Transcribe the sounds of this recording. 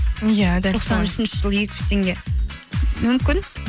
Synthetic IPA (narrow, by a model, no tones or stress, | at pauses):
jad̪æoqsɑnʏʃɪnʃɪʒ̥əlˠəje̞kʲɪ̥ʒ̥t̪ʰe̞ŋɡʲe̞ | mʏmkʲɪn